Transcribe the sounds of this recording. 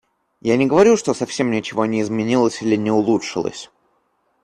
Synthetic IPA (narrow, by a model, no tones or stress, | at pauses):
janʲɪɡəvɐɾʲuʂt̪osɐfsʲe̞mnʲɪt͡ɕɪvo̞nʲɪɪzmʲɪnʲilˠəsʲilʲɪnʲɪʊlˠutʂɨlˠə̰sʲ